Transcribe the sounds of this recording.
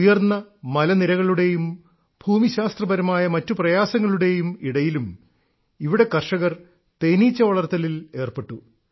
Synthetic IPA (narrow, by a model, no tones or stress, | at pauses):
jɐrnːɐmɐlɐniɾɐɣɐɭuɽe̞jum | bʱuːmiɕaːst̪rɐbɐɾɐmaːjɐmɐtːuprɐjaːsɐŋːɐɭuɽe̞jumiɽɐjilum | iʋiɽe̞kɐrʂɐɣɐr | t̪e̞ːniːt͡ɕːɐʋɐɭɐrt̪ɐlile̞ːrpe̞ʈːu